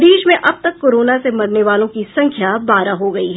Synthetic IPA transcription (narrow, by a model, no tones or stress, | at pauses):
d̪iːʃmẽʔɐb̚t̪ɐkːoːɾoːnasemɐɽneʋaːlõkisɐ̃ŋkʰjabaːɾaɦoɡɐiɦɛ